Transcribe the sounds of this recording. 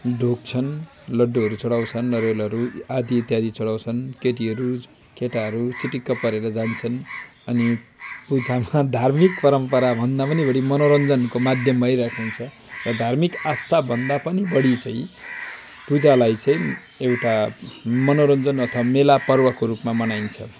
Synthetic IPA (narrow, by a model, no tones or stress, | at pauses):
ɖʱok̚t͡sʰʌn | lʌɖːoɦʌɾut͡sʌɽawt͡sʰʌnlʌɾelʌɾuad̪iːt̪jad̪ʱit͡sʌɽaw̃t͡sʰʌnkeʈ̬iɦʌɾu | keʈaɦʌɾusiʈikːʌpːʌɾeɾʌd͡zant͡sʰʌn | ʌnipud͡zamad̪ʱarmikpʌɾʌmpʌɾabʱʌnd̪apʌnibʌɽimʌnoɾʌnd͡zʌnkomad̪ʱjʌmːʌɦjɾakʰunt͡sʰʌ | rʌd̪ʱarmikast̪ʰabʱʌnd̪apʌnibʌɽit͡sʌĩ | pud͡zalajt͡sʌ̃ĩ | ewʈamʌnoɾʌnd͡zʌnʌt̪ʰʌβamelapʌrwakoɾupmamʌnajnt͡sʰʌ